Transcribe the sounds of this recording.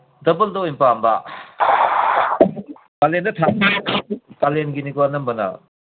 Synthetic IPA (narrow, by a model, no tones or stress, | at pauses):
dɐbɐldoimpamba̰ | kalendɐtʰaʔ̚nitʰakalenɡinikwanɐmbɐnɐ̰